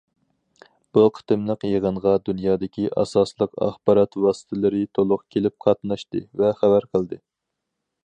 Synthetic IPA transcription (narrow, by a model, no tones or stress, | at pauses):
b̥uqʰə̥t̪ɨmlˠəqjeʁəɴʁɑd̪unjɑːd̪ɪkʲiʔɑ̰sɑslˠəqɑ̰χbɑɾɑt̪wɑːsɨ̥t̪ʰɪlɨɾɪt̪ʰolˠʊqkʲʰelɪp̚qʰɑt̪nɑʃt̪ɨ̰vɛχævæɾqʰəlˠd̪ɨ